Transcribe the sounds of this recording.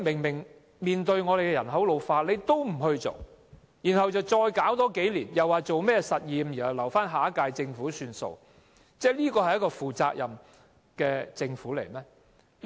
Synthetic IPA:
mɪ˨˩ŋmɪ˨˩ŋ | miː˨nt̪ɵ˧ɥŋɔː˨˧d̪e˨kɛ˧jɐ˨˩nɦɐ˨˥wlo˨˧wfaː˧t̚le˨˧jt̪o˥wm̩˨˩ɦɵ˧ɥt͡so̰˨˩w | jiː˨˩nhɐ˨wt͡sɐ˨wt͡sɔː˧jkaː˨˥wt̪ɔː˨˥ke˨˥jliː˨˩njɐ˨˩waː˨jt͡so˨wmɛː˥sɐ˨t̚jiː˨mji˨˩nhɐ˨wlɐ˨˩wfaː˥nɦaː˨˥kaː˧jt͡sɪ˧ŋfuː˨˥syː˧nso̰˨˧w | t͡sɛː˥liː˥kɔː˧hɐ˨jɐ˥kɔː˧fuː˨˩t͡sa̰ː˧k̚jʔɐ˨m | kɛː˧t͡sɪ˧ŋfuː˨˥lḛ˨˩jmɛː˥

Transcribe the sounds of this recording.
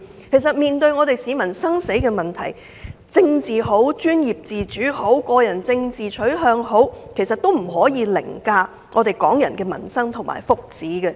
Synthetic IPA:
kʰe˨˩jsɐ˨t̚miː˨˩nt̪ɵ˧ɥŋɔː˨˧t̪e˨jsiː˨˧˥mɐ˨˩nsɐ˥ŋse˨˥jkɛː˧mɐ˨nt̪ʰɐ˨˩j | t͡sɪ˧ŋt͡siː˨˩ɦo˨˥wt͡ʃyː˥njiː˨p̚t͡siː˨t͡ʃyː˨˥ho˨˥wkɔː˧jɐ˨˩nt͡sɪ˧ŋt͡siː˨t͡ʃʰɵ˨˥ɥɦœː˨˧ŋɦo˨˥wkʰe˨˩jsɐ˨t̪̚o˥wm̩˨˩ɦɔː˨˥jiː˨˧lɪ̰˨˩ŋkaː˧ | ŋɔː˨˧t̪e˨jkɔː˨˥ŋjɐ˨˩nkɛː˧mɐ̰˨˩nsɐ˥ŋt̪ʰʊ˨˩ŋmʔa̰ː˨˩jfʊ˨k̚t͡siː˨˥ɡɛ˧

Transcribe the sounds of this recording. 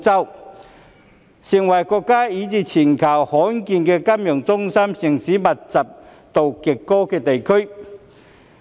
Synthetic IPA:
t͡sɐ˥w | sɪ˨˩ŋwɐ˨˩jkɔː˧kːaː˥iː˨˧˥t͡siː˧˩t͡sʰiː˨˩nkʰɐ˨˩whɔː˨˥nkiː˧nkɛː˧ka˥mjœ˨˩ŋt͡sʊ˥ŋsɐ˥msɪ˨˩ŋsiː˨˥mɐ˨t̚t͡sɐ˨p̚ | t̪o˨wkɪ˨kːɔː˥kɛː˧t̪e˨jkʰɵ˥ɥ

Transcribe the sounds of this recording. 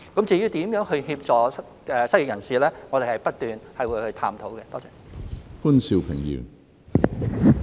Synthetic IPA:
kɐ˨˥mt͡siː˨˧jyː˥t̪iː˨˥mjœː˨˥ŋhɵ˧ɥhiː˧p̚t͡sɔː˨ | ɛː˨sɐ˥ji˨k̚jɐ˨˩nsiː˨lɛː˥ŋɔː˨˧d̪e˨˩hɐ˨jpɐ˥t̚t̪yː˨˩nhɐ˨jwuː˨˧jhɵ˧ɥt̪ʰa̰ː˧mt̪ʰo˨˥wkɛ˧t̪ɔː˥t͡sɛː˧˩fuː˥nsi˧wpʰɪ˨˩ŋjy̰ː˨˩n

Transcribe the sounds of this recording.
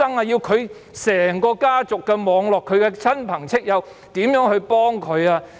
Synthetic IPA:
ɐ˥ŋaː˧jiː˧wkʰɵ˨˧ɥ | sɛː˨˩ŋkɔː˧kaː˥t͡sʊ˨kːɛ˧mɔː˨˧ŋlɔː˨kʰːɵ˨˧ɥkɛ˧t͡sʰɐ˥npʰɐ˨˩ŋt͡sʰɪ˥k̚jɐ˨˧w | t̪iː˨˥mjœː˨˥ŋhɵ˧ɥpɔː˥ŋkʰɵ˨˧ɥaː˧

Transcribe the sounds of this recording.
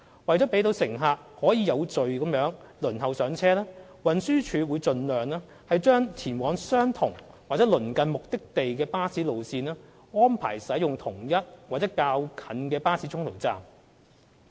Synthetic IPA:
wɐ˨jt͡sɔ˨˥pe˨˥jt̪o˨˧wsɪ˨˩ŋɦaː˨˧k̚hɔː˨˥jiː˨˧jɐ˨˧wt͡sɵ˨ɥkɐ˨˥mjœː˨˥ŋlɵ˨˩nɦɐ˨wsœː˨˥ŋt͡sʰɛː˥lɛː˥wɐ˨nsyː˥t͡ʃʰyː˨˧wuː˨˧jt͡sɵ˨˧nlœː˨˩ŋlɛː˥ | hɐ˨jt͡ʃœː˥ŋt̪ʰiː˨˩nwɔː˨˧ŋsœː˥ŋt̪ʰʊ˨˩ŋwaː˨k̚t͡sɛː˨˥lɵ˨˩nkɐ˨˧nmʊ˨k̚t̪ɪ˥k̚t̪e˨jkɛː˧paː˥siː˨˥lo˨wsiː˧nɛː˥ | ŋɔː˥npʰa̰ː˨˩jsɐ˨˥jʊ˨˩ŋt̪ʰʊ˨˩ŋjɐ˥t̚waː˨t̚t͡sɛ˨˥kaː˧wkʰɐ˨˥nkɛː˧paː˥siː˨˥t͡ʃʰʊ˥ŋt̪ʰo̰˨˩wt͡sa̰ː˨m

